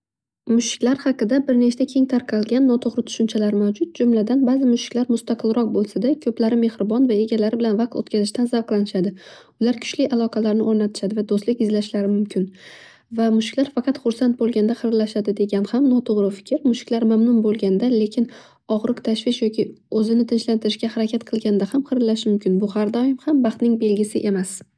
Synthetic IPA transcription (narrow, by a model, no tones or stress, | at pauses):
mʊʃɪ̥kʲlaɾhɑqɨd̪abɪɾne̞t͡ʃt̪akʲʰe̞ŋt̪ʰaɾqʰɑlˠɡʲanːɒt̪ʰoʁɾɪt̪ʰʊ̥ʃʊnt͡ʃʰalaɾmawd͡ʒʊt̪̚d͡ʒʊmlad̪anbazɪmʊʃɪ̥kʲlaɾmʊst̪aqʰɨlˠɾɒq̚bolˠsad̪akʰɵplaɾɪme̞hɾɪbɒnvae̞ɡʲalaɾɪbɪlanvɑq̚t̪ot̪kʰʲazɪʃt̪anzavqlˠanɪʃad̪ɪ | ʊlaɾkʰʊ̥t͡ʃlɪʔalˠɒqʰɑlaɾnɪoɾnat̪ʰɪ̥ʃad̪ɪvad̪ost̪lɪkʲɪzlaʃlaɾɪmʊmkʲʰɪn | vamʊʃkʲlaɾfɑqʰɑt̪χʊɾsant̪̚bolˠɡʲand̪aχɨɾlaʃad̪ɪd̪e̞ɡʲanhamnɒt̪ʰoʁɾɪfɪ̥kʲʰɪɾmʊʃkʲlaɾmamnʊnbolˠɡʲand̪ale̞kʲʰɪn | ɒʁɾɨqt̪ʰaʃvɪʃjɒkʲɪɵzɪnɪt̪ʰɪnʃlant̪ʰɪɾɪʃɡʲahaɾakʲʰat̪̚qʰɨlˠɡʲanɪd̪ahamqɨɾlaʃmʊmkʲɪnbʊhaɾd̪ɒjɪmhambɑχt̪nɪŋbe̞lɡʲɪsɪʔe̞mas